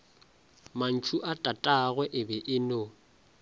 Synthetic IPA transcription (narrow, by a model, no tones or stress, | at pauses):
man̩t͡ʃʰuʔatʼatʼaɣwɛʔɪbɛʔɪno